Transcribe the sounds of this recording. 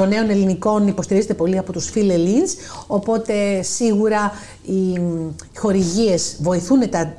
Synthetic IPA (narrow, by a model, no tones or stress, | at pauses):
o̞ne̞o̞ne̞liniko̞nipo̞st̪iɾize̞t̪e̞po̞liɐpo̞t̪usfilelins | o̞po̞t̪e̞siɣuɾɐ | i | xo̞ɾiʝie̞zvo̞iθune̞t̪ɐ